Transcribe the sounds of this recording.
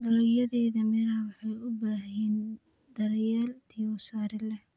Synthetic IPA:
dɐlɔjɐðɛːðɐmɛɾɐwɑħɑjʊbaːɦɛːn | d̪ɐrjɛːlt̪ʰijɔsaːɾɪlɛh

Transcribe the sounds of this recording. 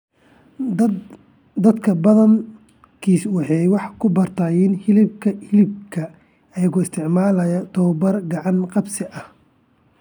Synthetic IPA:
d̪ɐd̪kʰɐbɐðɐŋ | kʰiːswɑħɛwɑħkʰʊbɐrt̪ʰaːjɪnhɪlɪb̚kʰɐhɪlɪb̚kʰɐ | ɐjɐɣɔɪst̪ʰɪʕmaːlɐjɐt̪ʰɔwbɐrɡɑʕɑŋqɑbsɪʔɐh

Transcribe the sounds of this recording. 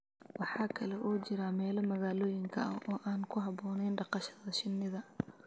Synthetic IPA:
wɑħɑːkʰɐlɛʔɔːt͡ʃɪɾamɛːlɐmɐɣaːlɔːjɪŋkʰɐɐʔɔːʔaːnkʰʊɦɑβɔːnɛjnɖɑqɑʃɐðɐʃɪnːɪðɐ

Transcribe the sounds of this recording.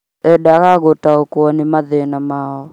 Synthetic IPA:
ɛɗaɣaɣotaokwɔnɪmaðɛnamaɔ

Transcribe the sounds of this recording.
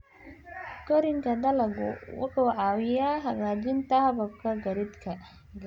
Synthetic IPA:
ɡɔɾɪŋkʰɐd̪ɐlɐɡʊ̰wʊ̰ħuːʕɑːwɪjaːɦɐɣaːd͡ʒɪnt̪ɐhɐβɐb̚kʰɐɡɐɾɪd̪kʰɐ | ɡ

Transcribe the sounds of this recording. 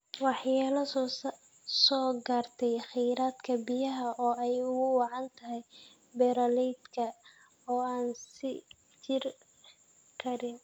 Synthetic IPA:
wɑħjaːlɐs | sɔːɡaːrt̪ʰɛjxɪjɾaːd̪kʰɐbijɐɦɐʔɔːɛjʊɣʊwɑʕɑnt̪ʰɐɦɛj | bɛɾɐlɛjd̪kʰɐ | ɔːaːnsɪ | t͡ʃɪr | kʰɐɾɪn

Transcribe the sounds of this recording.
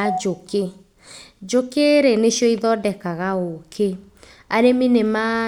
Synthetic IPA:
ad͡ʒoke | d͡ʒokeɾeneʃjɔiðɔdɛkaɣaokʰe | aɾeminema

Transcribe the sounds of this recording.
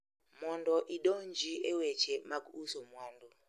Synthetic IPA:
mɔndɔʔiɗɔnd͡ʒiɛwɛt͡ʃʰɛmaɡusɔmwɔːndɔ

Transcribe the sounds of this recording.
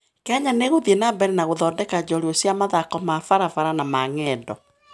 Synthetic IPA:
keaɲaneɣoðienabɛɾenaɣoðɔːdɛkad͡ʑɔɾiosjamaðakɔmafaɾafaɾanamaŋɛdɔ

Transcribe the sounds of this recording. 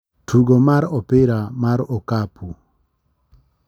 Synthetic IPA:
tʰuɡomaɾɔpɪɾamaɾɔkapu

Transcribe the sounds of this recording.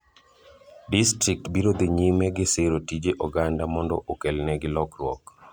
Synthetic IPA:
distɾik̚tbiɾod̪iɲimɛɡɪseɾotid͡ʒeʔɔɡandamɔndɔ̰ʔokelnɛɡɪlɔkɾwɔk

